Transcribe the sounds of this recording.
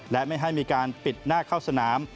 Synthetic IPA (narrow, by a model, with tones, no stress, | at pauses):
lɛ˦˥ma˥˩jɦa˥˩jmiː˧kaː˧npi˨˩t̪̚naː˥˩kʰaː˥˩wsa˧naː˩˦m